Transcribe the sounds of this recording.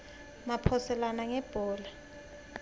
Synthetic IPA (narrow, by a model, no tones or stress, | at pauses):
mapʰɔsɛlanaŋɛb̥ʱɔːla